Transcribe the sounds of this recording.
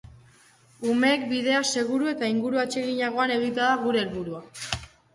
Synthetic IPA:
ume̞ːkbið̞e̞ase̞ɣ̞uɾue̞t̪aiŋɡuɾuat͡ʃe̞ɣiɲaɣ̞o̞ane̞ɣ̞it̪aðaɣ̞uɾe̞ːlβuɾua

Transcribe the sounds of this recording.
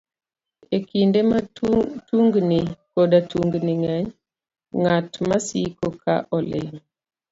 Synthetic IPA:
ekʰindematuŋɡnikoɗatuŋɡniŋaɲ | ŋatmasikokʰa̰ʔɔlḛ

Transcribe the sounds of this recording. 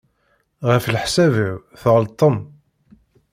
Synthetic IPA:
ʁəflħsæviwθʁəlt̪ˤːəm

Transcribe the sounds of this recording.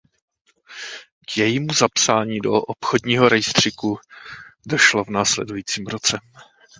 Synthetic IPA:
kjɛjimuzapsaːɲiːdoʔopxodɲiːɦo̞ɾɛjst̪r̥ɪku | do̞ʃlo̞vnaːslɛ̰dujiːt͡siːmɾot͡sɛ

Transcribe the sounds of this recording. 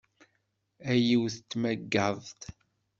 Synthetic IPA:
æjiwθət͡sːmæɡːəðˤt̪

